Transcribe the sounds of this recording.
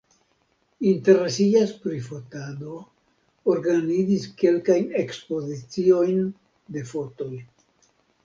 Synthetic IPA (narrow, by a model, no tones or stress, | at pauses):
inte̞ɾesiaspɾifo̞tado̞ | oɾɡanid͡ziske̞lkajne̞kspo̞zit͡sio̞jn | de̞fo̞to̞j